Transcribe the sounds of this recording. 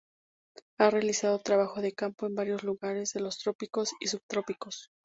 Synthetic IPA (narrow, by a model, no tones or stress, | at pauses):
are̞alisað̞o̞t̪ɾaβaxo̞ðe̞kampo̞e̞mbaɾjo̞zluɣaɾe̞zðe̞lo̞st̪ɾo̞piko̞sisuβt̪ɾo̞piko̞s